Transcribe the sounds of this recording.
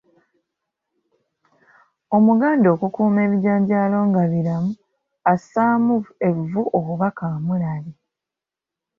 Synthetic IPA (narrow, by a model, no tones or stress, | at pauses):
o̞muɡaːndo̞ːkukuːme̞ːβiaːɲɟaːlo̞ːŋɡaβiɾamu | asaːmue̞vvuʔokuβakamulali